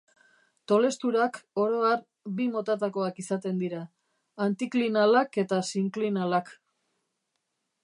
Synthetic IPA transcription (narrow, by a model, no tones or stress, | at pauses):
t̪o̞le̞st̪uɾako̞ɾo̞ar | bimo̞t̪at̪ako̞akisat̪e̞nd̪iɾaː | nt̪iklinalake̞t̪asiŋklinalak